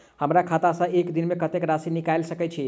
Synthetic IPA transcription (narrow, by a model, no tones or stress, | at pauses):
həmɾakʰat̪asə̃ekd̪inmekət̪ekɾasinikajlsəkɛt͡ʃʰi